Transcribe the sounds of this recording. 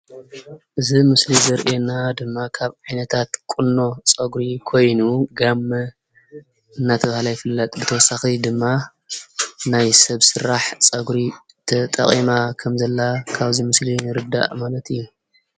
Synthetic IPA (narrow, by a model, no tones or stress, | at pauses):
ʔɨzimɨslizɐɾʔienad̪ɨmːakʰaβʕajnɐt̪ʰat̪kʼunːo̞t͡sʼɐɡɾikʰo̞jnuɡamːɐ | ɨnːat̪ʰɐβahalajfɨlːat̪ʼbɨt̪ʰɐwɔsːaxid̪ɨmːa | najsɐβsɨɾaħt͡sʼɐɡɾi | t̪ʰɐt̪ʼɐ̰χʼimakʰɐmzɐlːakʰaβzimɨslinɨɾɨd̪ːa̰ʔmalɐt̪ʰɨjːu